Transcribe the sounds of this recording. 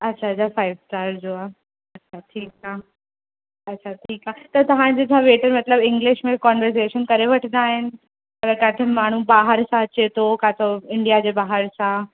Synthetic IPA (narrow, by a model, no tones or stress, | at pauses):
ɐtːɕʰaɐt͡ɕʰafaːɪʋsʈaːɾd͡ʑoːaː | ɐtːɕʰaʈʰiːkaː | ɐːɕʰaʈʰiːkaːt̪ɐt̪ɐʋ̤ãd͡ʑet͡ɕʰãʋeːʈəɾmɐt̪ləbɪ̃ŋɡlɪʃmẽkɔːnʋəɾs̬eːʃənkɐɾeʋɐʈʰənd̪aːɦɪnɪ̆ | ɐɡəɾkaːt̪ʰemaːɳ̤ubaːɦəɾsãt͡ɕet̪ʰokat̪ʰoɪ̃ɳɖijad͡ʑeːbaːɦəɾsã